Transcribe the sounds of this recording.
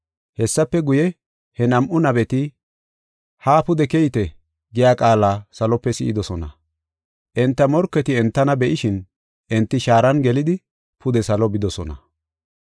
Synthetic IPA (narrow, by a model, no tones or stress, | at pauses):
hɛsːɐpːɛɡʊjɛ | hɛnɐmʔʊnɐbɛt̪ɪ | haːpʊd̪ɛkɛjt̪ɛ | ɡɪjaːkʼaːlaːsɐlɔpːɛsɪ̰ʔɪd̪ɔsɔnɐ̰ | ʔɛnt̪ːɐmɔɾkːɛt̪ɪɛnt̪ːɐnɐbɛʔɪʃɪn | ʔɛnt̪ːɪʃaːɾɐnɡɛlɪd̪ɪ | pʰʊd̪ɛsɐlɔbɪd̪ɔsɔnɐ̰